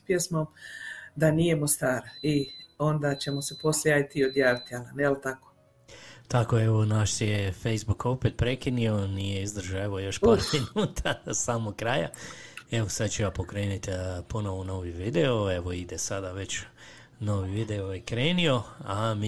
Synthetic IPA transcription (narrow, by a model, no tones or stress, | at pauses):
pjesmomd̪anijemost̪aːɾaio̞nd̪at͡ɕe̞mo̞sepo̞slʲjeajt̪iod̪jaːʋit̪ialanelt̪ako̥ | t̪akoeʋo̞naʃsjefejzbuko̞pet̪̚pɾe̞kinio̞nijeizd̪r̩ʒaeʋojo̞ʃpoɾminuːt̪ʰasaːmoɡkɾaːja̰e̞ʋosad̪̚t͡ʃuʋapokɾe̞ːnit̪po̞noʋono̞ːʋiʋid̪eoe̞ʋoid̪esad̪aʋe̞t͡ɕ | noːʋiʋid̪eoikɾeːnio̞am